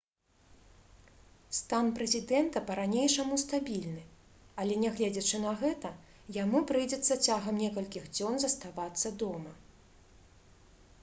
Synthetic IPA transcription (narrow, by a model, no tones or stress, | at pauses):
st̪anpɾɛzʲid̪ɛnt̪ɐpɐɾanʲejʂɐmust̪abʲilʲnɨ | ɐlʲɛnʲɛɣlʲɛd͡zʲɐt͡ʂɨnɐɣɛt̪ɐ | jamupɾɨjd͡zʲɛt̪sːɐt͡sʲaɣɐmnʲɛkɐlʲkʲiɣd͡zʲɔnzɐst̪avat̪sːɐd̪ɔmɐ